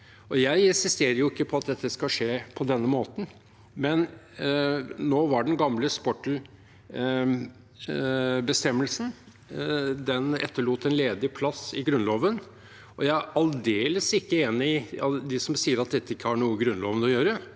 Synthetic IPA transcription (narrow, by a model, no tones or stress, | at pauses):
ɔjæɪɪnsɪst̪eːɾəɾjʊɪkːəpʰɔɑt̪̚d̪ɛt̪dːəskɑʂeːpʰɔd̪ɛnːəmoːt̪n̩ | mɛn | noːʋɑɖɛnɡɑmləspɔʈ | bəst̪ɛmːəlsn | d̪ɛnɛ̰t̪ːəɭuːt̪ɛnleːd̪ɪpʰlɑsɪɡɾʉnloːʋən | ɔjæɪæʔɑld̪eːləsɪkːəeːnɪɪɑd̪ɪsɔmsiːəɾɑt̪̚d̪ɛt̪ːəɪkːəhɑɳuːəɡɾʉnloːʋənɔjøːɾə